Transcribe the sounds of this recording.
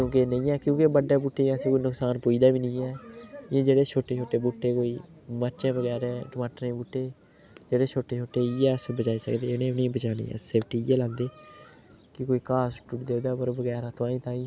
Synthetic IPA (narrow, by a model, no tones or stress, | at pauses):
kjõːkenəĩːɛːkjõːkebəɖɛːbuʈːeːkãːsẽːkoːinʊksaːnpoːiːd̪aːʋiːnəĩːɛːɪjẽːd͡ʒeːɽeːt͡ʃʰoːʈːeːt͡ʃʰoːʈːeːbʊʈːeːkoːiː | məɾt͡ʃẽːbəɡɛːɾɛ̃ːʈəmaːʈəɾẽːbuʈːeː | d͡ʒeːɽeːt͡ʃʰoːʈːeːt͡ʃʰoːʈːeːɪjɛːsbət͡ʃaːisə̰kd̪eːnẽːnĩːbət͡ʃaːnḭːɛ̰seːpʰʈiːɪjɛːlãːnd̪eː | kɪkoːiːkaːsʈʊʈd̪eːd̪aːpəɾbəɡɛːɾãːt̪ʊãːĩːt̪ãːĩː